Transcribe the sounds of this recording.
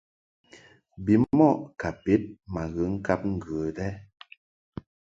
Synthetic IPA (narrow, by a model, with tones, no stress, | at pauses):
bi˨˦mɔ˦˨ʔka˨pe˨˦t̚ma˨ɣə˨˦ŋ̩˦ka˦p̚ŋ̩˦ɡə˨dɛ˦